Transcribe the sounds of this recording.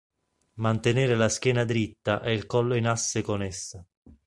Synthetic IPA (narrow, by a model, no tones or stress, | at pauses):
mant̪eneːɾelask̟ʲjɛːnad̪ɾit̪ːaʔɛilkɔlːoinasːekonɛsːa